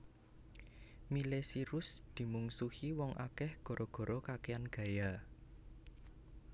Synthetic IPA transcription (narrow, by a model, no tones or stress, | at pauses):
milesiɾʊsd̪̥i̤muŋsuhiwɔŋʔa̰kɛhɡ̥o̤ɾʔɔɡ̥ɔ̤ɾʔɔkakeanɡ̥ä̤ja